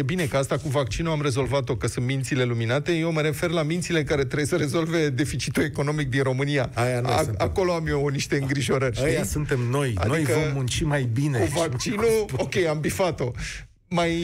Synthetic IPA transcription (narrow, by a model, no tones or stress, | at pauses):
je̞bine̞kəast̪akuvak̚t͡ʃinuamre̞zo̞lvat̪o̞kəsunt̪mint̪sile̞luminat̪e̞jewməɾe̞fe̞rlamint̪sile̞kaɾe̞t̪ɾejsəɾe̞zo̞lve̞d̪e̞fit͡ʃit̪ue̞ko̞no̞mik̚d̪inro̞mɨniaajanako̞loamjeniʃt̪e̞ɨŋɡɾiʒo̞ɾərʲʃət̪iasunt̪e̞mno̞jna̰d̪oijkəvomːunt͡ʃimajbineuvakt͡ʃinuokʲe̞jambifat̪o̞ | maj